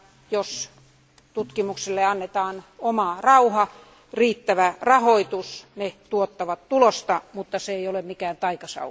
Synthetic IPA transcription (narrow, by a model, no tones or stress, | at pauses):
jos | t̪ut̪kimukselːeɑnːet̪ɑːnomɑrɑuhɑ | riːt̪ːæʋærɑhoit̪usnet̪uot̪ːɑʋɑt̪tulost̪ɑmut̪ːɑseeiolemmikæːnt̪ɑikɑsɑ̰